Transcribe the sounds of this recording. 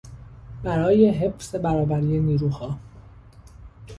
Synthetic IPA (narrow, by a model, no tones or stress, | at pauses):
bæɾɒːje̞ɦe̞fse̞bæɾɒːbæɾiːje̞niːɾuːhɒː